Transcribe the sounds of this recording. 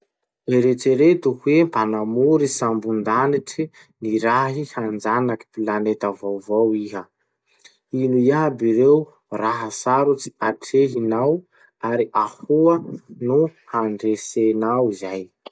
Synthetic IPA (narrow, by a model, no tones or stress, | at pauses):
eɾeʈ͡ʂeɾet̪uhwempanamuɾisambund̪aniʈ͡ʂi | niɾaɦihand͡zanaki̥pilanet̪avowvowiɦə | inujabiɾew | raɦəsaɾut͡siaʈ͡ʂʰeɦinaw | aɾiʔahuənuhaɳɖ͡ʐesenawizaj